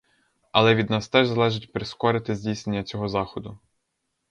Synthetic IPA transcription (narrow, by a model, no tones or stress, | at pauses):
ɐlˠɛʋʲid̪nɑst̪ɛʒzɐlˠɛʒɪtʲpɾeskɔɾɪt̪ɪzʲdʲijsne̞nʲːɐt͡sʲɔɦɔzɑxɔd̪ʊ